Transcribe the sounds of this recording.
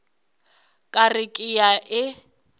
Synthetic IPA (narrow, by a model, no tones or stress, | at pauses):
kʼarɪkʼɪjaʔɪ